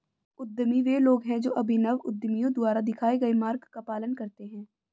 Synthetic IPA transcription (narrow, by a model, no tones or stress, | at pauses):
ʊd̪ːmiʋeːloːɡɦɛ̃d͡ʒoːʔɐbʱinɐʋʊd̪ːəmijõd̪ʊaːɾad̪ɪkʰaːeɡɐemaːɾɡkapaːlənkɐɾt̪eɦɛ̃ː